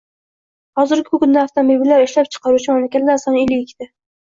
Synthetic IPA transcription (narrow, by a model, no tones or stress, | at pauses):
hɒzɪɾɡʲɪkʰʊkʲʰʊnd̪aaft̪ʰomobilːaɾɪʃlap̚t͡ʃʰɨ̥qʰɑɾut͡ʃʰɪmamlakʲat̪laɾsɒnɪlːɪɪkʲt̪ɪ